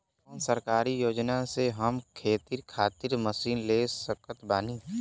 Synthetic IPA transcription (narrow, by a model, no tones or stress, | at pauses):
nsəɾkaːɾijoːd͡ʒnaseɦəmkʰeːt̪iɾkʰaːt̪ɪɾməsiːnlesəkət̪baːniː